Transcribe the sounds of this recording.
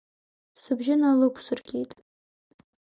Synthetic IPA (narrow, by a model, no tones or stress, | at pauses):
sɨbʒɪnalɨkʷʰʼsɨrɡʲitʼ